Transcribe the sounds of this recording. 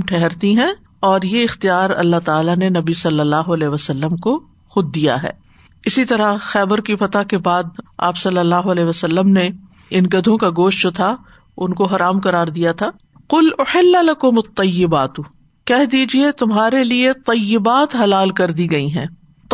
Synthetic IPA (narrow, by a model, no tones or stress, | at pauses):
ʈʰɛɦɛɾt̪iɦɛ̃ː | ɔːɾjeɪxt̪ijaːɾɐ̰lːaɦt̪aːlanenɐbisɐlːəlːaːɦoɐlɛːʋɐsɐlːəmko | xʊd̪̚ːija̰ɦɛ̰ː | ɪsit̪ɐɾaxɛːbəɾkifɐt̪akebaːd̪̚a̰ːpsɐlːəlːaːɦoɐlɛːɦʋɐsɐlːəmne | ɪnɡɐd̪ʱõkaɡoːʃtd͡ʒot̪ʰa | ʊnkoɦɐɾaːmqɐɾaːɾd̪ijat̪ʰaː | qʊlʊħɪlːalɐkʊmɐt̪ˤːɐjːɪbaːt̪u | kɛɦd̪iːd͡ʒiet̪ʊmɦaːɾeliet̪ˤɐjːɪbaːt̪ɦɐlaːlkɐɾd̪iɡɐiɦɛ̰̃ː